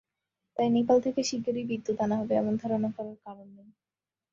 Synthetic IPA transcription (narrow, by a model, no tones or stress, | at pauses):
t̪ajnipalt̪ʰekeʃiɡoɾibid̪ːut̪anaɦɔbeɛ̰moŋd̪ʱaɾonakɔɾaɾkaɾonːej